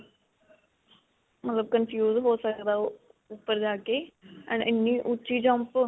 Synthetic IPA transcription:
mət̪ləb̚kənpʰjuːzɦoːsəkd̪aːʊpːəɾd͡ʒaːkeːɛ̰ːnɪnːĩːʔʊt͡ʃiːd͡ʒə̃mp

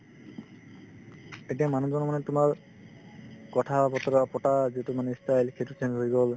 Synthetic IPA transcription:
etijamanuzɔnɔmɔnɛtʊmaɹ | kɔtʰabɔt̪ɔɾapɔʈazitumanɛistajlkʰetut͡ʃʰenzɦojɡɔl

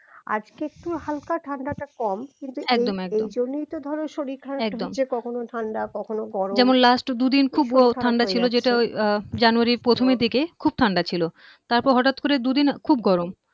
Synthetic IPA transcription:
a̰d͡ʑkeek̚ʈuhalkaʈʰaɳɖaʈakɔmkint̪uɛkd̪omɛkdeomd͡ʑonːit̪od̪ʱɔɾonʃoɾikʰːaɛkd̪omekɔkʰonot̪ʰaɳɖakɔkʰonoɡɔɾod͡ʑɛmonlasʈd̪ud̪inkʰubɔaɳɖat͡ɕʰilod͡ʑeʈaojd͡ʑanuaɾipɾot̪ʰomid̪ʱikekʰub̚t̪ʰaɳɖat͡ɕʰilo | t̪aɾpɔɾɦɔʈat̪koɾed̪ud̪inkʰubɡɔɾom

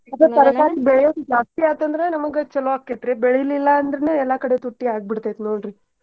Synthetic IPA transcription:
ad̪ɾɐt̪ɐɾɐk̪aːɾibɛɭɛjo̞ːd̪ud͡ʒaːst̪iaːnt̪ɐnd̪ɐɾenɐmɐɡet͡ʃɛloʋakːeʈɾebɛɭejɐlilːɐːnd̪ɐɾeneɛlːɐkɐɽe̞t̪uʈːiaːɡ̚biɽt̪ːet̪noːɳɾi

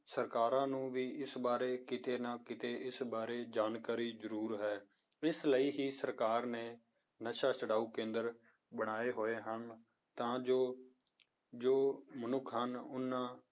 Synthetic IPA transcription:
səɾkaːɾãːnũːʋiːʔɪsbaːɾeːkɪt̪eːnãːkɪt̪eːʔɪsbaːɾeːd͡ʒaːnkaːɾiːzəɾuːɾɦɛː | ɪsləiːɦiːsəɾkaːɾneː | nəʃaːsəɽaːuːkẽːnd̪əɾ | bəɽ̃aːeːɦoːeːɦən | t̪ãːd͡ʒoː | d͡ʒoːmənʊkʰɦənʊnːãː

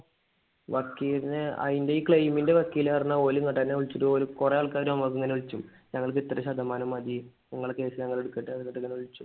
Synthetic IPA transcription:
ʋɐkːijɾineɐ̰indeikɭejminde̞ʋɐkːijileɐrinːɐoːluŋkɐʈːɐnːeuɭt͡ɕːuɾuolukurejaːɭkaːɾumamɐk̬ːeŋːɐneuɭt͡ɕːum | ɲɐŋːɐɭk̬ɨit̪ːrɐɕɐd̪ʱːɐmaːnɐmɐd̪iɲɐŋːɐɭke̞ːsɨɲɐŋːɐɭe̞ɽukːeʈːɨɐðŋɐʈːɨŋːɐneuɭt͡ɕːum

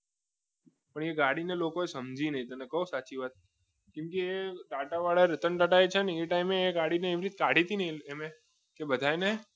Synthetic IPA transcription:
pəɳeɡaɽinelokoesəmd͡ʒʱinəɦĩt̪ənekəɦusat͡ʃiʋat̪̚ | kɪ̃mkeːʈaʈaʋaɭaɾət̪əɳʈaʈaet͡ʃʰeneeʈaimeːɡaɽineːʋiɾit̪̚kaɽ̤ʱit̪inəieme | kebəd̪ʱajne

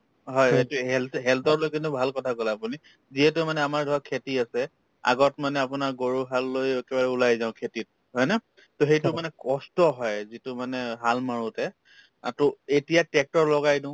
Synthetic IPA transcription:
ɦɔjetuɦɛlɦɛltɔtlojkintʊbʱalkɔtʰakolɛapuni | ziɦɛt̬ʊmanɛamaɹdʱɔkʰetiasɛ | a̰ɡɔtmanɛapʊnaɹɡoɹuɦalːojɛkɛbaɹɛʊlajzaʊ̃kʰetit̚ | ɦɔjna | toxejtʊmanɛkɔstɔɦɔjzitʊmanɛɦalmaɹutɛ̰ | tɔetijatɛk̚tɔɹlɔɡajdʊ̃ʊ̃

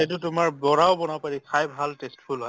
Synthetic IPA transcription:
et̬ʊtʊmaɹbɔɹawbɔnapaɹikʰajbʱaltestpʰulɦɔ

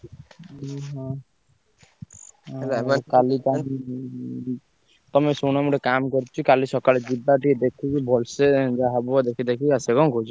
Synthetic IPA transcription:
ɦã | lkalika | t̪ɔmesonamɔʈekamkɔɾt͡ʃʰikalisɔkaled͡ʒibaʈied̪ekʰikibʱɔlsed͡ʒaɦabɔd̪ekʰid̪akʰiasekɔŋkot͡ʃʰi

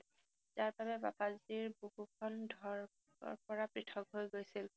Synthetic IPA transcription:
zaɹbabɛba̰paziɹbuɡukʰɔndʱɔɹ̰ | ɹpɔɹapɹitʰɔkɦojɡojsil

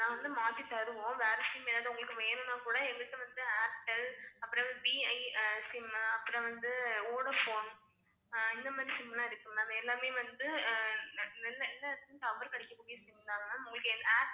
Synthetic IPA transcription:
nãːʋɐnd̪ɯmaːt̪ːit̪ɐɾɯʋõːʋeːɾɐsɪmɛlːaːðɐʊŋɡɐɭɯkːɯʋeːnɯ̃naːkuːɽɐɛʋɪk̪ːɯʋɐnd̪ɯaːʈːɛlɐpːɯɾɐ̃ʋɐnd̪ɯbiːɐɪsɪmɐpːɯɾɐ̃ʋɐnd̪ɯoːɽɐfoːn | ɪnd̪ɐmaːd̪ɾisɪmbɪlaːɪɾɯkːɐ̃namɐɛlːaːmeːʋɐnd̪ɯ | nɛlːɐɛlːɐɽɯt̪ːɯnt̪ɐʋɪɾkɐɽɛkːɐkːuːɽɪjɐ̃sɪmbɪlaːɣɐnaːʊŋɡɐɭɯkːɯɛnd̪aː

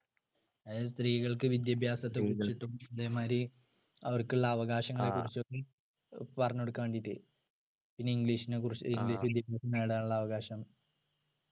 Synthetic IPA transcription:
ɐest̪riːɣɐɭkɨʋid̪jɐbʱjaːsɐt̪ːeruiʈːud̪eːmaːɾi | ɐʋɐrkuɭːɐːʋɐɣaːɕɐŋːɐɭekːurit͡ɕːokːe | pɐrɐɲːoɽukːaːɳɖit̪ːɨ̰ | pinːeiŋɡɭiːɕinekurit͡ɕːiŋɡliːʃʋid̪jɐbʱjaːsɐnnaːjɽaːnuɭːɐːʋɐɣaːɕɐm

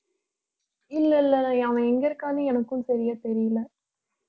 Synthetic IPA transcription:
ɪlːɐɪlːɐɐaːʋɐ̃ɛŋɡɐɪɾɯkːaːnɯɛnɐkːɯmsɐɾɪjaːt̪ɛɾɪjɪlɐ

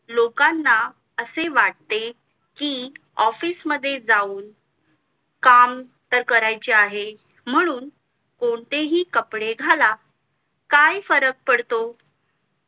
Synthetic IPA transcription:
lokanːa | əseʋaʈ̚t̪e | kiː | ɔfiːsməd̪ʱːjed͡zauːn | kam | t̪əɾkəɾajt͡ɕeaɦe | m̤əɽ̃uːn | koɳt̪eɦiːkəpɽeɡʱala | kajfəɾək̚pəɽt̪o

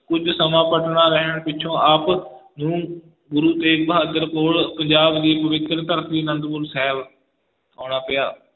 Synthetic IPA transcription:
kʊd͡ʒsəmãːpəʈɳaːɾəɦəɳpɪt͡ʃʰõːaːpnũː | ɡʊɾuːt̪eːk̚bəɦaːd̪əɾpoːlpəɲd͡ʒaːbd͡ʒ̪iːpəʋɪt̪ɾət̪əɾt̪ʰiːnə̃nd̪bʊlsɛːʋ | ɦoːɽ̃aːpəjaː

